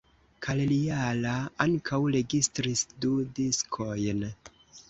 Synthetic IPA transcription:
kʰalelialaaŋkʰawɾe̞ɡistɾisdudiskʰo̞jn

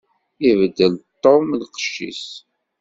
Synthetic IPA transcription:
ivd̪əlt̪ːomlqə̥ʃːḭs

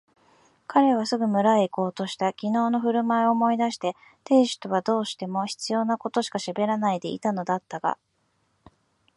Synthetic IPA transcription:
kaɾe̞β̞asɨɡɯ̟mɯ̟ɾaeko̞ːt̪o̞ɕi̥t̪akʲino̞ːno̞ɸɯ̟ɾɯ̟maeoːmo̞id̪aɕi̥t̪e̞ | t̪e̞ːɕɨ̥t̪o̞βad̪o̞ːɕi̥t̪e̞mo̞çi̥t͡sɨjo̞ːnako̞t̪o̞ɕi̥kaɕabe̞ɾanaid̪e̞ḭt̪ano̞d̪at̪ːaɡa̰

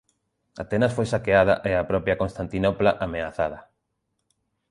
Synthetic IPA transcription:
a̰t̪ɛnɐsfojsakeað̞ɐ̰ʔɛapɾɔpjɐkonst̪ant̪inɔplaʔameaθaðɐ

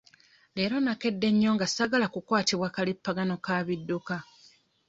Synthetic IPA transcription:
le̞ːɾo̞nake̞dːe̞ɲːo̞ŋɡasaɡalakukwaːtiβwaːkalipːaɡano̞kaβidːuka

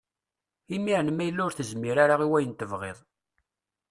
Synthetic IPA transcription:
imiʕnəmæjəlːʊɾθəzmiɾaɾaʁiwæjənt̪əvʁḛðˤ

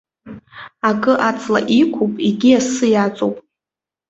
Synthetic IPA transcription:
akʼɨʔat͡sʰʼla̰ʔikʷʰupʼiɡʲiasɨjat͡sʼowpʼ

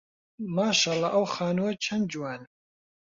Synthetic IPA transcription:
maːʃɑːlˠɑʔɐwxaːnuwɐt͡ʃʰɐnd͡ʒuwaːn

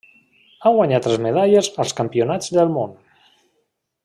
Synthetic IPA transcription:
aŋɡwaɲat̪ləzmeð̞aʎəzəlˠskampionad͡zðəlˠmon

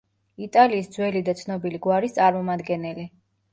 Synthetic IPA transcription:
it̪ʼaliːsd̪zwɛlid̪at̪sʰnɔbiliɡwaɾist̪sʼaɾmɔmad̪ɡɛnɛli

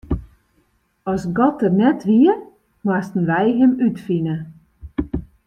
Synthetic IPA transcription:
ɔsɡɔt̚ənɛtʰʋiə | mastn̩ʋɛjɦəmytfinə

